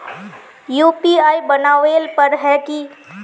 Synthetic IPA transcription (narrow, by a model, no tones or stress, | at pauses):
juːpiaːibənaːʋelpəɾɦɛki